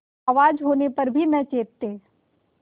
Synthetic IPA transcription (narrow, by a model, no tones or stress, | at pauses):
aːʋaːd͡ʒɦoːnepɐɾbʱinɐt͡ʃeːtt̪ːeː